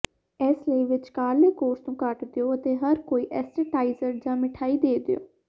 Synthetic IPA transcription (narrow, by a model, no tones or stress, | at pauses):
ɛːsləiːʋɪt͡ʃkaːlekoːɾst̪ũːkəʈd̪ejoːət̪eːɦəɾkoːiːʔɛːsʈəʈaːizəɾd͡ʒãːmɪʈʰaːiːd̪eːd̪ḛjo̰ː